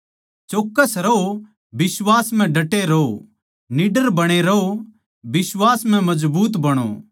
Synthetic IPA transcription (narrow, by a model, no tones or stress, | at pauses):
t͡ʃoːkːəsɾɐɦo | bɪswaːsm̤ɛ̃ɖɐʈːeɾɐo | nɪɖəɾbɐɽ̃eɾɐo | bɪswaːsm̤ɛ̃mɐzbuːt̪bɐɽ̃o̰